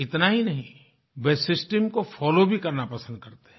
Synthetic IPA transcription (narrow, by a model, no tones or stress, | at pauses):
ɪt̪naɦinɐɦĩ | beːsɪsʈəmkofʰɔːlobʱikɐɾnapɐsə̃nd̪̚kɐɾt̪eɦɛ̃